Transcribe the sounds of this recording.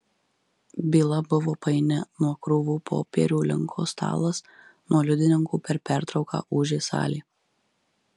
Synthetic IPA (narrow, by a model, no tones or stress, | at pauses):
bʲiːlˠɐbʊʋoːpɐɪnʲɛnuɔkɾʊʋuːpʰo̰ːpʲḭːɾʲuːlʲɪ̰ŋkʰo̰ːst̪ʰɑ̰ːlˠɐsnuɔlʲʊd̪ʲɪnʲɪŋkuːpʲɛɾpʲɛæɾt̪ɾɒʊkɑ̰ːʔuːʒʲesɑ̰ːlʲiː